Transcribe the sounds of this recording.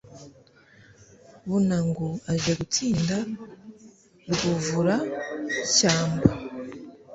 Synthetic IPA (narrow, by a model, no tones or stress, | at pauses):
βunaŋɡoaʒaɡutʰiːnda | ɾɡuvuɾa | caːmba